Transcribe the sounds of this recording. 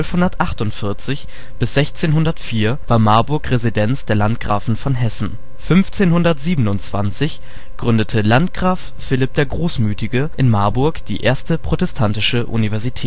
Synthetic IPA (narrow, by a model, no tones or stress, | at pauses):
œlfhʊndɐtʔaχtʊntfɪɐt͡sɪç | b̥ɪsz̥ɛçt͡seːnɦʊndɐtfiːɐvaːɐmaɐbʊɐkʁezidɛnt͡sd̥eːɐlantɡ̥ʁaːfn̩fɔnɦɛsn̩ | fʏnft͡seːnhʊndɐtz̥iːbənʊnt͡sv̥a̰nt͡sɪç | ɡ̥ʁʏndətʰəlantɡ̥ʁaːfːɪlɪp̚d̥eːɐɡʁoːsmyːtɪɡəʔɪnmaɐbʊɐkd̥ḭːʔeːɐstəpʁ̥otɛstʰantɪʃəʔṵnivɛɐzitʰɛːt